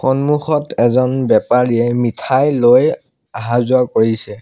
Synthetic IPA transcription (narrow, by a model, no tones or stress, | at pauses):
xɔnmuxɔtʰɛzɔnbɛpaɹiɛmitʰajloj | aɦazʊakoɹisɛ